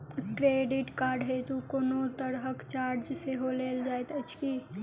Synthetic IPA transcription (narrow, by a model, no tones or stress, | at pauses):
kɾeɖiʈkaːɾɖɦet̪ukonot̪əɾɦəkt͡ʃaːɾd͡ʒseɦoleːld͡ʒaːet̪ət͡ʃki